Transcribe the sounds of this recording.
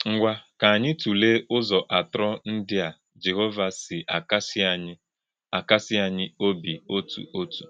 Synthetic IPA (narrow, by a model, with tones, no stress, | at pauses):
ŋ̩˨ɡʷa˦ka˨a˨ɲɪ˦tu˨le˦ʊ˦zɔ˨ʔa˨tɾɔ˦n̩˦dɪ˦a˨ | d͡ʒe˨ɦo˦va˨sɪ˨ʔa˨ka˦sa˨ɲɪ˦ | a˨ka˦sɪ˦a˨ɲɪ˦o˦bi˨o˦tʰṵ˨ʔo˦tu̥̰˨